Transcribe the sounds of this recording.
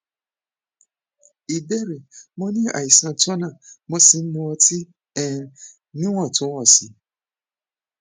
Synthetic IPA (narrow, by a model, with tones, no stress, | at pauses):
i˨dɛ˦˨ɾe˨mõ˧nĩ˦a̰˨i˨sã˧tɔ˦nã˦˨mõ˧si˧n̩˦mũ˧ɔ˧ti˦ | ɛ̃˦˨ | nĩ˦w̃ɔ̃˦˨tũ˨˦ɔ̃˦˨si˨˦